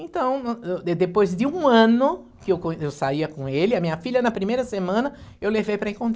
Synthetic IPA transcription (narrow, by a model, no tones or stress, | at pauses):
ẽnt̪ɐ̃w̃nɛd̪epojzd̪ɪũɐ̃nʊ | kɪewkõewsaiɐkõelɪɐmĩɲɐfiʎʲɐnɐpɾimejɾɐsemɐ̃nɐewlevejpɾɐẽŋkõnt̪